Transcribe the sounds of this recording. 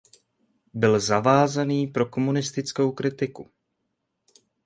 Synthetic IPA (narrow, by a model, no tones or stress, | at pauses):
bɪlzavaːzaniːpɾo̞ko̞munɪst̪ɪt͡skowkɾɪt̪ɪku